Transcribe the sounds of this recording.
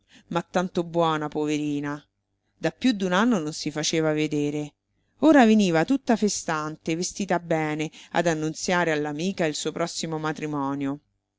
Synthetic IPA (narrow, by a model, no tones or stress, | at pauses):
mat̪ːant̪obwɔːnapoveɾiːna | d̪apːjud̪ːunanːononsifat͡ʃeːvaved̪eːɾe | oːɾaveniːvat̪ut̪ːafest̪ant̪evest̪iːt̪abːɛːnea̰d̪anːunt̪sjaːɾealːamiːkailsuːopɾʔɔsːimomat̪ɾimɔːnjo